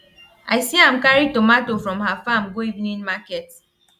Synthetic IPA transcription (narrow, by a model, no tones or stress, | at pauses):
aɪsiam̩kaɾitomatofɾɔ̃mɦafamɡoivnĩnmaket